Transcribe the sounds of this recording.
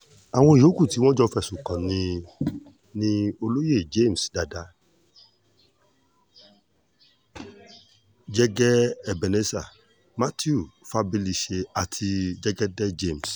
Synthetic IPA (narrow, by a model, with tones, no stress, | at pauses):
a˨w̃ɔ̃˧i˨jo˨˦ku˦˨ti˨˦w̃ɔ̃˦d͡ʒɔ˦fɛ˧˨sũ˨kã˨nĩ˧ | nĩ˦o˧lo˦je˦˨d͡ʒe˦˨m̩˨sda˨da˨˦ | d͡ʒɛ˦ɡɛ˦ɛ˨bɛ˨nɛ˦sa˨ | ma˦ti˦u˦˨fa˧˦bi˧li˧ʃe˧a˨tʰi˧d͡ʒɛ˦ɡɛ˦dɛ˦d͡ʒe˦˨m˨s